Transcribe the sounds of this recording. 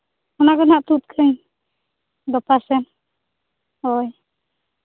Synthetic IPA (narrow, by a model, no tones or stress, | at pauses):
ɔnakɔnaʔt̪ut̪̚kʰəɲ | d̪ɔpasɛn | ɔj